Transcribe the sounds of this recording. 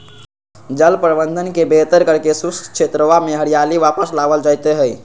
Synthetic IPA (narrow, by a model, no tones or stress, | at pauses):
d͡ʒəlpɾbənd̪ʱənkebet̪əɾkəɾkesust͡ʃʰet̪ɾəʋameɦəɾijaliʋapəslaʋəld͡ʒajt̪eɦəj